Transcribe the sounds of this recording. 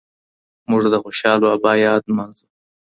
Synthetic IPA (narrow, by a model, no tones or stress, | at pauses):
mʊʐd̪əxoʃɑːloɐbɑːjɑːd̪manzu